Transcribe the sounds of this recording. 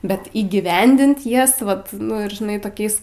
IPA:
ˈbʲɛt iːɡʲiːˈʋʲɛnʲdʲɪnt ˈjɛs ˈʋɐt nʊ ɪr ʒʲɪˈnɐɪ toːˈkʲɛɪs

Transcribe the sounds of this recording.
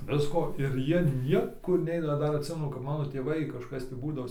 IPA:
ˈʋʲɪskoː ɪr ˈjiɛ ˈnʲiɛkʊr ˈnʲɛɪnɐ ˈdɐr ɐtʲˈsʲɪmʲɛnʊ kɐp ˈmɑːnoː tʲeːˈʋɐɪ kɐʃˈkɐs tʲiː ˈbuːdɐʋoː

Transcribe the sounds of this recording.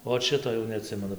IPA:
ˈoːt ˈʃʲɪtoː jɛʊ nʲɛɐˈtʲsʲɪmʲɛnʊ

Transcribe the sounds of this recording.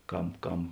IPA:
ˈkɐm ˈkɐm

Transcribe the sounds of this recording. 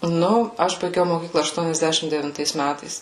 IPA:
ˈnʊ ˈɐʃ bɐɪˈɡʲɛʊ moːˈkʲiːklˠɐ ɐʃtuɔnʲɛzʲˈdʲæːʃʲɪm dʲɛʋʲɪnˈtɐɪs ˈmʲætɐɪs

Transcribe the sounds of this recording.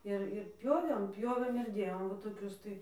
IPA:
ˈɪr ɪr ˈpʲjoːʋʲeːm ˈpʲjoːʋʲeːm ɪr ˈdʲeːjoːm ʋɐ toːˈkʲʊs tɐɪ

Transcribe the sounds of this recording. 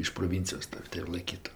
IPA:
ɪʃ proːˈʋʲɪnʲt͡sʲɪjoːs ˈtɐw tɐɪ ɪr lˠɐɪˈkʲiːtʊ

